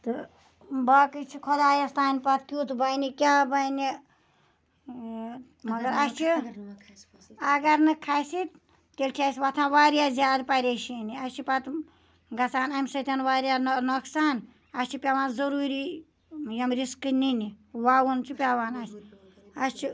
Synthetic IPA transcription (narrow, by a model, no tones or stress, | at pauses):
t̪ɨ | baːkɨt͡ʃʰikʰod̪aːjɐst̪aːnʲpɐt̪̚kʲuːt̪bɐjnikʲaːbɐjni | mɐɡɐɾɐst͡ʃʰi | ɐɡɐɾnɨkʰasit̪ | k̪elʲt͡ʃʰiɐsʲʋɐt̪ʰãːnʋaːɾijaːzʲjaːd̪pɐɾʲeʃiniɐst͡ʃʰipɐt̪ | ɡɐt͡saːnɐmʲsɐt̪ʰʲɐnʋaːɾʲjanoksaːn | ɐsʲt͡ʃʰipʲaʋaːnzɐɾuːɾi | jɐmɾiskɨniniwaːwunt͡ʃʰipʲaːwaːnaːsʲ | ɐst͡ʃʰi